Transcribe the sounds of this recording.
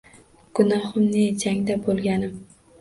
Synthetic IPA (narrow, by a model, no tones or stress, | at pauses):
ɡ̥ʊnɒhʊmned͡ʒaŋd̪abolˠɡʲanɪm